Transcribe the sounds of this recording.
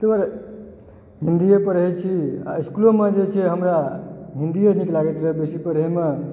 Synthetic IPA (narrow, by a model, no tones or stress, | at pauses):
t̪ebaɾ | ɦĩnd̪iepəɾəɦɛt͡ʃʰia̰iskulomed͡ʒet͡ʃʰɛɦəmɾaɦind̪ieniklaɡet̪ɾəɦbesipəɾəɦeme